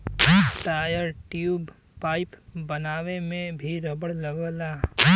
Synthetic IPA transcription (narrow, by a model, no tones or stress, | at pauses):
ʈaːjəɾʈjuːb | paːɪpbɐnaːʋemẽbʱiɾɐbəɽlɐɡəla